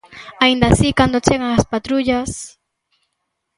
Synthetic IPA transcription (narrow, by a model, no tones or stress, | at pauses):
aind̪asikand̪ot͡ʃeɣaŋaspat̪ɾuʎas